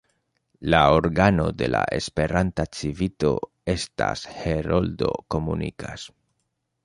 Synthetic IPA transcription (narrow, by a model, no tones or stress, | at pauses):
laoɾɡano̞d̪e̞laʔespe̞ɾant̪at͡sivit̪o̞̰ | est̪a̰sheɾold̪o̞̰ko̞munḭkas